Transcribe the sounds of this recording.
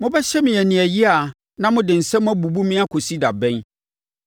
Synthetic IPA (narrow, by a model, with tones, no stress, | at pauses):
mʊ̃˦bɛ˦ɕɛ˦mɪ̃˨ɛ˨nɪ̃˨ɛ˨ji˦a˨ | nã˦mʊ̃˦dɪ̃˨n̩˨sɛ̃˦mã˦bu˨bu˦mĩ˦a˦kʰo˨si˦da˨bɛ̃˦n